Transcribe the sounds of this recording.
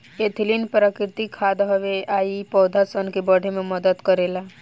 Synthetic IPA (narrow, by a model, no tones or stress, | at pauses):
et̪ʰlinpɾəkɾɪt̪ikʰaːd̪ɦɔʋeaːipɔːd̪ʱasənkebəɽ̤emẽməd̪əd̪kəɾela